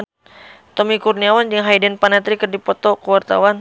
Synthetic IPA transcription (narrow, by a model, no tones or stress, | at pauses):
t̪ɔmikurniawand͡ʒəŋɦajdɛnpanat̪ɾikərdipɔt̪ɔkuwart̪a̰wan